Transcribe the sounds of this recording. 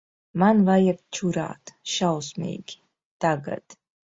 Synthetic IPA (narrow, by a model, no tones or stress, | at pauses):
manvajɛk̚t͡ʃʰuɾa̰ːt̪ʃawsmʲḛjɡʲi | t̪aɡa̰d̪̥